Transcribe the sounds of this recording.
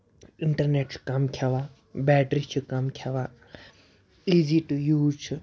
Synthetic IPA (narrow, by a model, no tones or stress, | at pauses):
ɪɳʈɐɾneːʈsʰkɐmkʰaʋa | bɛːʈɾit͡ʃʰikɐmkʰjaʋaː | iːziʈujuːt͡ʃʰi